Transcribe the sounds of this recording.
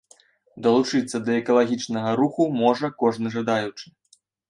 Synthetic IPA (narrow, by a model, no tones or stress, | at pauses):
d̪ɐlˠut͡ʂɨt̪sːɐd̪ɐɛkɐlˠaɣʲit͡ʂnɐɣɐɾuxumɔʐɐkɔʐnɨʐɐd̪ajut͡ʂɨ̥